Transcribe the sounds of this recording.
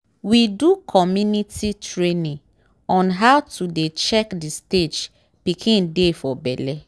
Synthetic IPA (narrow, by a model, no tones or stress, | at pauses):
widukʰɔmjunititɹenĩ | ɔ̃nɦawtudet͡ʃɛkdisted͡ʒ | pikʰĩndefɔbɛlɛ